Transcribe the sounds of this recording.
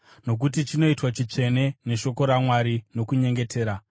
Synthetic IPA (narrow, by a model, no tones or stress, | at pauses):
no̞k̬utit͡ʃino̞itwat͡ʃit͡ʂe̞ne̞ne̞ʃo̞ko̞ɾamwaɾino̞kuɲe̞ŋɡe̞tʰe̞ːɾa